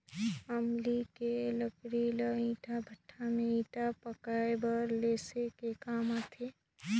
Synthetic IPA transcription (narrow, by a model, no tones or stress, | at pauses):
əmlikeləkɽiləĩːʈʰabʱəʈʰːamẽĩːʈapəkaebəɾleːsekekaːmat̪ʰe